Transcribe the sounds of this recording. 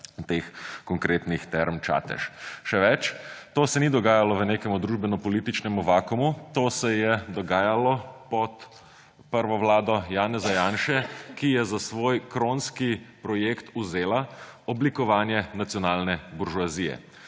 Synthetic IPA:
t̪eːxkɔŋkɾeːt̪nixt̪ɛɾmt͡ʃa̰ːt̪ɛ̰ʃʃɛʋɛt͡ʃt̪oːsɛnid̪ɔɡaːjalɔʋəneːkɛmud̪ɾuːʒbɛnɔpɔliːt̪it͡ʃnɛmuʋaːkumut̪oːsɛjɛd̪ɔɡaːjalɔpɔt̪ | pəɾʋɔʋlaːd̪ɔjaːnɛzajaːnʃɛkijɛzasʋoːjkɾoːnskipɾɔjeːkt̪uzeːlaɔblikɔʋaːnjɛnat̪sijɔnaːlnɛbuɾʒuazijɛ̰

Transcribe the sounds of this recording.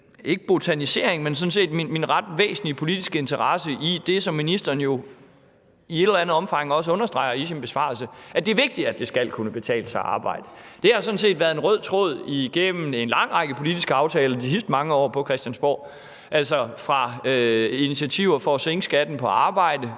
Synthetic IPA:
e̝ɡ̥əb̥o̝t͡sʰænise̝ɐ̰eŋmensɔ̽n̩s̬e̝̰ːd̥minminʁɑd̥ʋḛːsn̩lipʰo̝lid̥isɡ̥əe̝nt͡sʰɐʁɑ̈səʔid̥e̝sɒ̽mːinisd̥ɐːnjo̝ | ied̥ɾ̥lænð̞̩ˠɒ̽mfɑ̈ŋɒ̽s̬əɔ̽nɐsd̥ʁɑ̈ɪ̰ɐisinb̥e̝sʋɑ̰̈ːlsəʔæd̥e̝æɐʋe̝ɡ̥̚d̥id̥æd̥e̝sɡ̥ælkʰunəb̥e̝t͡sʰɛ̰ːləsɑ̈ɪʔɑ̰̈ːb̥ɑ̰̈ɪ̰d̥ə | d̥e̝hɑ̈sɔ̽n̩se̝̰ːd̥ʋæɐðˠenʁœð̞̰ˠt͡sʰʁoð̞̰ˠiɡ̥emm̩e̝nlɑ̈ŋ̰ʁɑ̈ɪɡ̥əpʰo̝lid̥isɡ̥əɑ̈ʊt͡sʰɛːlɐd̥isisd̥əmɑ̈ŋəɒ̰ːpʰɒ̽kʰʁɛsd̥jænsb̥ɒ̰ː | ʔælsɒfʁɑ̈ | init͡sʰiæt͡sʰiʊ̰ɐfɒ̽ːseŋəsɡ̥æd̥n̩pʰɒ̽ɑ̈ːb̥ɑ̈ɪ̰d̥ə

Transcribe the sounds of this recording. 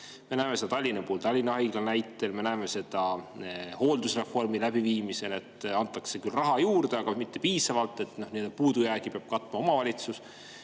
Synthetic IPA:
me̞næemesed̪ɑt̪ɑlʲːinɑpuːlt̪ɑlʲːinɑɑjɡ̥lɑnæjt̪ːˑelme̞næeme̞se̞d̪̥ɑ | ho̞ːld̪usre̞fo̞rmilæb̥iviːmise̞le̞t̪ːɑnt̪ːˑɑkse̞kylrɑɦɑjuːrd̪̥eɑɡ̥ɑmit̪ːe̞piːsɑvɑlt̪ːˑe̞t̪ːno̞hnind̪ɑpuːd̪ujæːɡ̥ipeɑb̥̚kɑt̪ːˑmɑo̞mɑvɑlʲit̪sus

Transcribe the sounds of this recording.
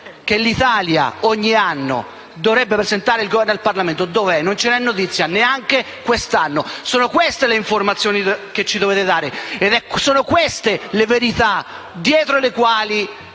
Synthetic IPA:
kelːit̪aːlja̰oɲːianːo̰ | d̪ovɾɛbːepɾezent̪aːɾeilɡovɛrnalparlament̪od̪ovɛnːont͡ʃenɛnːot̪it̪sːjaneaŋke | kwest̪anːosoːnokwest̪eleiɱformat̪sːjoːniket͡ʃːid̪oveːt̪ed̪aːɾeed̪ɛksoːnokwest̪eleveɾit̪a | d̪jɛːt̪ɾolekwaːli

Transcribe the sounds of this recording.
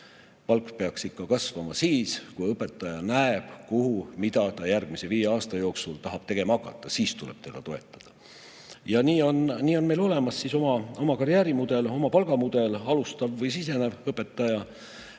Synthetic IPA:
pɑlkpe̞ɑksikːɑkɑsvɑmɑsiːskujɤpːˑe̞t̪ˑːɑjɑnæeb̥kuhumid̪̥ɑt̪ɑjærɡ̥̚mise̞viːjeɑːst̪ɑjo̞ːksult̪ɑɦɑb̥t̪e̞ɡ̥e̞mɑɑkːˑɑt̪ːˑɑsiːst̪ulḛb̥t̪e̞d̪̥ɑt̪o̞e̞t̪ːˑɑ̥d̪̥ɑ̥ | jɑniːo̞nniːo̞nme̞jlo̞le̞mɑsːiso̞mɑo̞mɑkɑɾjæːɾimud̪̥e̞lomɑpɑlɡ̥ɑmud̪̥e̞lɑlust̪ɑvːɤjsise̞nevɤpːˑe̞t̪ːˑɑjɑ

